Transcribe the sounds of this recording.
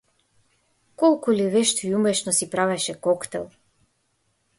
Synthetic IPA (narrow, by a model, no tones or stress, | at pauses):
kɔlˠkulivɛʃt̪ɔjumɛʃnɔsipɾavɛʃɛkɔkt̪ɛlˠ